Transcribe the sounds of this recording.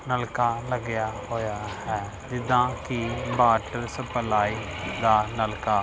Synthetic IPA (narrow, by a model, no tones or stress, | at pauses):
nəlkaːləɡɪjaːɦoːjaːhɛː | d͡ʒɪd̪ãːkibaːʈəɾsəpəlaːiːd̪aːnəlkaː